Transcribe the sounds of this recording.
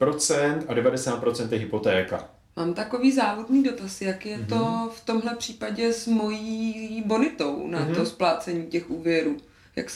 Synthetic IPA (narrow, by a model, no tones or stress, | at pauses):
pɾot͡sɛnt̪adɛvadɛsaːt̪̚pɾot͡sɛnt̪jɛɦɪpot̪ɛːka̰ | maːmt̪ako̞viːzaːvodniːdo̞t̪asjakjɛt̪o̞ft̪o̞mɦlɛpr̝̥iːpaɟɛzmo̞jiːbo̞nɪt̪o̞wnat̪o̞splaːt͡sɛɲiːcɛxʔuːvjɛɾuː | ja̰ks